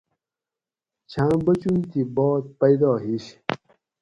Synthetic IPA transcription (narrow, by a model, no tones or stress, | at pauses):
t͡ɕʰãːbət͡ɕunt̪ibɔːt̪̚pajd̪ɑːɦiɕ